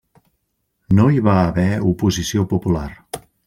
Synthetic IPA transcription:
noiβaːβɛupuzisiopupular

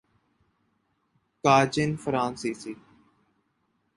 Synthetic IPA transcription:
kaːd͡ʒɪnfəɾãːnsiːsiː

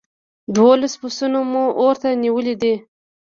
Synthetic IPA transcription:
d̪wolaspʊsunomuʔoɾt̪aniwəlid̪i

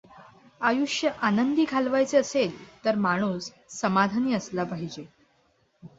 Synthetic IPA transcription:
ajuʂjəʔanənd̪iːkʰalʋajt͡seəselt̪əɾmaɽ̃uːsː | əmad̪ʱaniːəslapaɦid͡ʑe

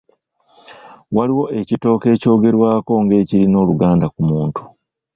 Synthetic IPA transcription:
waliwo̞ʔe̞cito̞ːke̞ːco̞ːɡe̞ɾwaːko̞ŋɡe̞ːciɾino̞ːluɡaːndakumuːntu̥

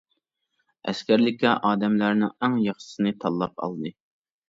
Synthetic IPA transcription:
ɛ̰skʲæɾlɪkʲʰɛʔɑːd̪ɛmlæɾnɨŋæŋjɑχʃɨ̥sɨnɨt̪ʰɑlˠːɑp̚ɑ̰lˠd̪ɨ

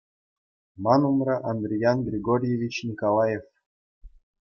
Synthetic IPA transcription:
mɑnumrɑʔɑnd̪rʲijɑnɡrʲiɡoɾʲjevʲit͡ɕnʲikolˠɑjef

